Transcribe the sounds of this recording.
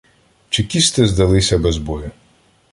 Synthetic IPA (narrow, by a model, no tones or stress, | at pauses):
t͡ʃɪkʲist̪ɪzd̪ɐlˠɪsʲɐbɛzbɔjʊ